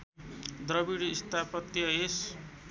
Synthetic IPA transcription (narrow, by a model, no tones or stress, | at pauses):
d̪rʌbiɽiːst̪ʰapʌt̪jʌes